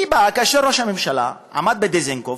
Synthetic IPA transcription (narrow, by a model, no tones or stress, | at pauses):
ibakaʃeɾoʃhamemʃala̰ | a̰mad̪̚bed̪ezeŋko